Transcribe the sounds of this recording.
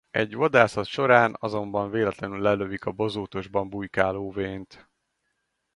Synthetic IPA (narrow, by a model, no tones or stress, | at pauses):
ɛɟʋɒd̪aːsɒt̪ʃo̞ɾaːnɒzo̞mbɒɱveːlɛt̪lɛnylːɛløvikɒbo̞zoːt̪o̞ʒbɒmbujkaːloːveːnt̪